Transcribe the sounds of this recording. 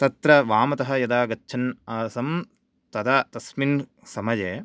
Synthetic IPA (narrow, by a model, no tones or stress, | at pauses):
t̪ɐt̪ɾɐʋaːmɐt̪ɐɦɐ̆jɐd̪aːɡɐtːʃʰɐnaːsɐm | t̪ɐd̪at̪ɐsmin | sɐmɐd͡ʒeː